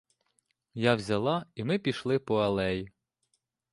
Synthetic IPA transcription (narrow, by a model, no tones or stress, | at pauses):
jawzʲɐlˠɑimɪpʲiʃlˠɪpɔɐlˠɛjɪ